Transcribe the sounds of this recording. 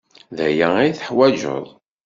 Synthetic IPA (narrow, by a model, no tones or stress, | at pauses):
ðæjæijθəħwæʒə̰ðˤ